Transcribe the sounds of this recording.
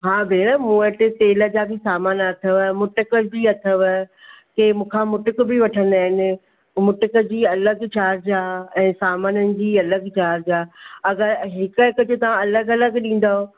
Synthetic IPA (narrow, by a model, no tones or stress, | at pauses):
ɦaːbeːɽ̃əmũːəʈɪt̪eːləd͡ʑaːbɪsaːmaːnɐt̪ʰəʋmʊʈɪkəd͡ʑiːɐt̪ʰəʋ | k̪eːmũːkʰãmʊʈʊkbɪʋɐʈʰə̃nd̪aːɦɪnɪ̆ | mʊʈəkəd͡ʑiːɐləɡt͡ɕaːɾd͡ʑaːɛ̃ːsaːmaːnənɪ̆d͡ʑiːɐləɡt͡ɕaːɾd͡ʑaːɐɡəɾɦɪkəɦɪkəd͡ʑot̪ɐʋ̤ãɐləɡɐləɡɗĩːn̆d̪aːɦo